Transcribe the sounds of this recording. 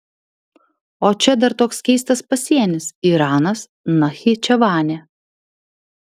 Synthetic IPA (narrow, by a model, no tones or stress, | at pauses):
oːt͡ʃʲɛd̪ɐɾt̪oːkskʲɛɪs̬t̪ɐspɐsʲiɛnʲɪsiːɾɑːnɐs | nɐxʲiːt͡ʃʲɛʋɑːnʲeː